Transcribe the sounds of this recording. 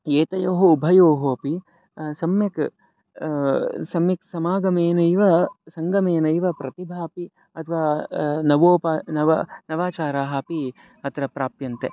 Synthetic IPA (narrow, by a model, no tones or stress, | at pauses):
eːt̪ɐjoːɦoubʱɐjoːɦoːpi | sɐmjɐk | sɐmjɐksɐmaːɡɐmeːnɐiʋɐsɐŋɡɐmeːnɐiʋɐpɾɐt̪ibʱaːpi | ɐt̪ʰɐʋaːnɐʋoːpanɐʋɐnɐʋaːt͡ʃaːɾaːɦɐpi | ɐt̪ɾɐpɾaːpjɐnt̪e